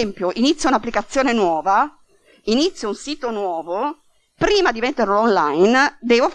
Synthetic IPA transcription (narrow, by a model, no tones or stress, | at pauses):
ɛmpjoʔinit̪sjounapːlikat̪sːjoːnenwɔːva | init̪sːjounsiːt̪onwɔːvo | pɾiːmad̪imet̪ːeɾlonlajnd̪ɛːvo